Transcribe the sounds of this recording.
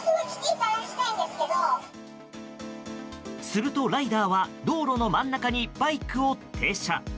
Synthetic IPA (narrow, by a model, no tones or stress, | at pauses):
kɯakʲi̥kʲiːk̪aɾaɕi̥t̪aĩnd̪esɨ̥ke̞d̪o | sɨɾɯ̟t̪o̞ɾaid̪aːβad̪o̞ːɾo̞no̞mãnːakaɲ̟ibaikɯ̟o̞t̪ʰe̞ːɕa̰